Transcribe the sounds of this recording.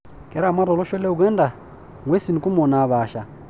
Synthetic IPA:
ke˨ɾa˦˨ma˦ɾo˨lo˦ʃo˦le˦u˨ɡwe˦nda˨ | ŋɡwe˦si˨ni˨ku˦mo˨na˨βaː˨ʃa˨

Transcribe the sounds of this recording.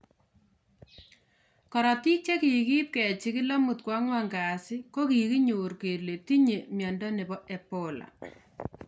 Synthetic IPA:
kɔ˨ɾɔ˨ti˦k̚t͡ʃe˦ki˨ki˦p̚kɛ˨t͡ʃi˦ki˦la˦mu˨t̚kwa˦ŋwa˦ŋɡa˨sɪ˦ko˦ki˨ki˦ɲuː˨ɾke˨rle˨ti˦ɲe˨mjɔ˨ndɔ˦ne˨bɔ˦ʔe˨po˨la̰˨

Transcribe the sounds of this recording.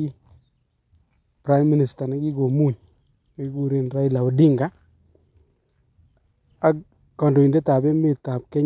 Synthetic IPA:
i˦ | pɾa˦jmːi˦ni˨sta˨na˨˦ɡi˦ɡo˨mu˦˨ɲ | na˦ɡi˦ku˦ɾe˦nɾa˦i˦la˨o˨di˦ŋɡa˨˦ | a˦k | kɔ˨ndo˨i˨nde˦ta˨bɛ˦mɪ˦˨ta˨p̚kɛ˦

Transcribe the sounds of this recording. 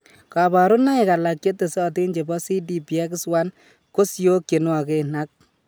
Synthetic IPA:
ka˨ba˨ɾu˦na˦e˨ka˨la˨kje˦tːe˨sɔ˦ti˦nd͡ʒe˨bɔ˦si˦di˦pi˨ɛ˦kɪ˦swa˦n | ko˦sjo˦kje˨n˦a˨ke˦na˦k̚

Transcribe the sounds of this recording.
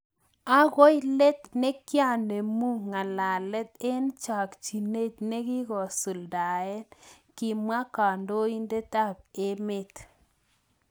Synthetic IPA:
a˦ɣo˦jle˦t̪̚ne˦kja˦˨ne˨mu˦ŋa˨la˨lɛ˦t̪̚e˦nt͡ʃa˨kt͡ʃi˨ne˦tne˦ɡi˦ɣɔ˨su˨lda˨ɛ˦n | ki˨ma˦ka˨ndo˦i˦nde˦ta˦˨b̚e˦me˦t̪

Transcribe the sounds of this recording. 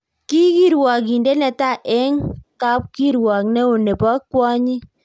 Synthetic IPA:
ki˦ki˦˨ɾwa˨k̬i˨nde˦nɛ˨ta˦˨ʔɛ˦ŋka˦p̚ki˦ɾwa˨knɛ˦o˨ne˨pɔ˦kwɔ˦ɲi˦

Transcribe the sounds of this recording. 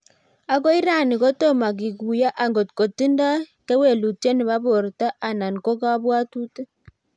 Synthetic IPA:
a˨kɔ˦i˦ɾa˦˨ni˨ko˦to˦ma˨ɡ̬i˨ɡu˨ja˦ʔa˨ŋɡo˨tko˨ti˦nda˦kɛ˦we˨lu˨te˦nɪ˨βa˦βo˨ɾta˦ʔa˨na˨n˨ko˦ka˦βwa˦tu˦te˦

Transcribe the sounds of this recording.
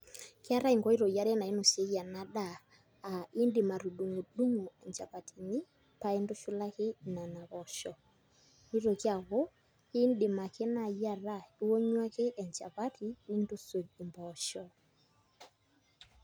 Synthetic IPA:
ke˦a˦ɾa˦i˨ŋɡɔ˦i˦ɾɔ˨ja˦ɾɛ˦na˨e˦no˨se˦ɣja˨na˨˦ɗaː˦˨ | i˦ndɪ˨ma˨ɾu˨du˨ŋo˨du˦ŋo˨ɛ˨ɲd͡ʒa˨βa˨tʰi˨ni˦ | pa˦e˦ndo˦ʃu˦la˦ke˦˨na˨na˨βɔ˨ʃɔ˨ | i˦ɾo˨kja˨ɣo˦ | ke˦ndɪ˨ma˨ke˦na˨ja˨ɾa˦˨i˦wo˦ɲwa˦ke˦ʔɛ˨ɲd͡ʒa̰˨βa˦tʰi˨ni˦ndo˦swe˨e˨mbɔ˨ʃɔ˨

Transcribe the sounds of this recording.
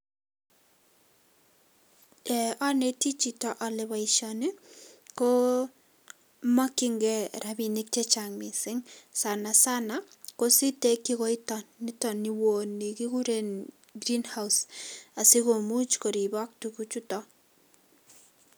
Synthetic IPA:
ɛ˨ʔɔ˦ne˨ti˦t͡ʃi˨tɔ˦˨ʔɔ˨lɪ˨βa˨ɪʃɔnɪ˦ko˦ | ma˦kɪ˦ŋɡɛ˦ɾabi˨nɪ˦k̚t͡ʃɛ˦t͡ʃa˨ŋmɪ˨sɪ˦ŋsa˨na˨sa˦na˨ | ko˦si˦te˦kːɪ˦kɔ˦ɪ˦tɔ˨nːɪ˦tɔ˨nːi˨wo˨nːi˨ki˦ku˦ɾe˦n | ɡɾi˦nha˦wsa˨sɪ˦ko˨mu˦t͡ʃko˨ɾi˨bɔ˦k̚tu˨ku˦t͡ʃu˦tɔ˦

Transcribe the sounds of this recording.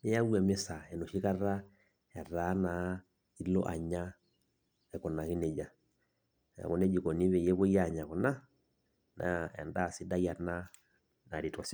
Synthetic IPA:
nɛ˦ja˦wu˦ɛ˨mɛ˦sa˨ɛ˨nɔ˨ʃi˦ka˦ra˦ | ɛ˨ra˦na˨ | i˦lɔ̰˦ʔa̰˨ɲa˦ | ɛ˨kɔ˨na˨ki˦nɛ˨d͡ʒa˨ | ɛ̰˨kɔ˦nɛ˦d͡ʒi˨kɔ˨ni˦βɛ˨jɛ˦βɔ˦i˦a˦˨ɲa˨kɔ˨na˦ | na̰˨ɛ̰˨nda˦˨si˦da˦i˦a˨na˦ | na˨ɾi˨tɔ˨s

